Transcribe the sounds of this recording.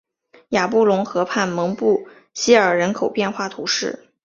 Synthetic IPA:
ja˨˩pu˥˩lʊ˧˥ŋxɤ˧˥pʰa˥˩nmɤ˧˥ŋpu˥˩ | ɕi˥ə˞˨˩ɻə˧˥nkʰo˨˩ʊpjɛ˥˧nxwa˥˩t̪ʰu˧˥ʂɻ̩˥˩

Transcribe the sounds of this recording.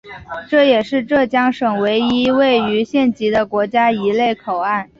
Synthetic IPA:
ʈ͡ʂɤ˥˩jɛ˨˩ʂɻ̩˥˧ʈ͡ʂɤ˥˩t͡ɕjɑ˥ŋʂɤ˨˩ŋwe˧˥ɪi˥we˥˩ɪy˧˥ɕjɛ˥˩nt͡ɕi˧˥d̪ə˧kwɔ˧˥t͡ɕja˥i˧˥le˥˩ɪkʰo˨˩ʊa˥˩n

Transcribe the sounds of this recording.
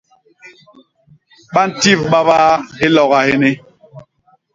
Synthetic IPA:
ɓa˦n̩˨ti˦˨vɓa˦baː˦ɦe˦lɔ˨ɣa˨he˦ne˦

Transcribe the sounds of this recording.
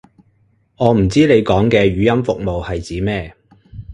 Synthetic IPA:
ŋɔː˨˧m̩˨˩t͡siː˥nle˨˧jkɔː˨˥ŋkɛː˧ɥyː˨˥jɐ˥mfʊ˨k̚mo˨whɐ˨jt͡siː˨˥mɛː˥

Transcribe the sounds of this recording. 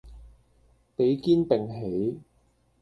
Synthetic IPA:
pe˨˥jkiː˥npɪ˨ŋɦe˨˥j

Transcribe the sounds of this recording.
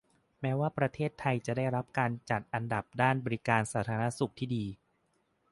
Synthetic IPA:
mɛː˦˥waː˥˩pɾa˧t̪ʰeː˥˩t̪ʰːa˧jt͡ɕa˨˩daː˥˩jɾa˦˥p̚kaː˧nt͡ɕa˨˩t̪̚ʔa˧nda˨˩p̚daː˥˩nbɔː˧ɾi˦˥kaː˧nsaː˩˦t̪ʰaː˧na˦˥su˨˩k̚t̪ʰiː˥˩diː˧

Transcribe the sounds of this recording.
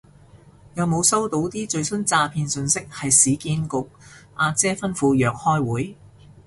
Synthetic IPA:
jɐ˨˧wmo˨˧wsɐ˥wt̪o˨˥wt̪iː˥t͡ʃɵ˧ɥsɵ˥nt͡saː˧pʰiː˧nsɵ˧nsɪ˥k̚hɐ˨jsiː˨˥kiː˧nkʊ˨k̚ʔaː˧t͡sɛː˥fɐ˥nfuː˨˧jœː˨k̚hɔː˥jwuː˨˥j

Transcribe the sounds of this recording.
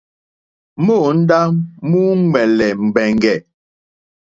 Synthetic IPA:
mo˦˨n̩˦da˦mmu˦ŋwɛ˨lɛ˨m̩˨bɛ˨ŋɡɛ˨

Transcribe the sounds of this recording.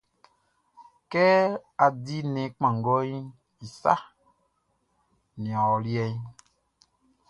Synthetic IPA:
kɛ˦a˨di˦nɛ̃˨k͡pã˨ŋ˨ɡɔ˦i˦ | i˨sa̰˦ | nĩ˨a˨ɔ˨li˦ɛ˦i˦

